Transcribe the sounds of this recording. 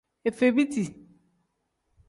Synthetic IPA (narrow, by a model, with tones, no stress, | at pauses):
e˨fe˨bi˦ti˨